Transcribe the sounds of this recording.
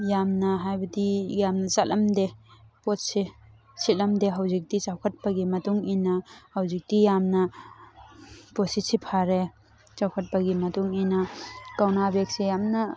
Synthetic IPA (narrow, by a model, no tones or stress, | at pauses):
jamnɐɦajbɐdijamnɐzalʔɐmdepot̚se | silɐmdeɦɐwzik̚dit͡ʃawkʰɐt̚bɐɡimɐtuŋinɐhɐwzik̚dijamnɐ | potsisipʰaɾe | t͡ʃawkʰɐt̚bɐɡimɐtuŋinɐkawnabek̚sejamnɐ